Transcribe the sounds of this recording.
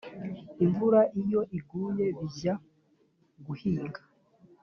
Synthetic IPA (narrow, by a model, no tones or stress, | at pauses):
iɱvuɾaʔijo̞ʔiɡuːje̞βiza | ɡuhiːŋɡḁ